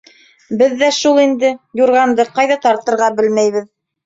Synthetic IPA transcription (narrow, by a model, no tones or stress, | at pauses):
bɘðːæʃulˠind̪ɘjuɾʁɑnd̪ɤqɑjðɑt̪ɑɾt̪ɤ̆ɾʁɑbɘlmæjβɘð